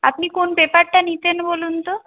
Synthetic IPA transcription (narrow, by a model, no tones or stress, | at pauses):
a̰pnikonpepaɾʈanit̪enbolunt̪o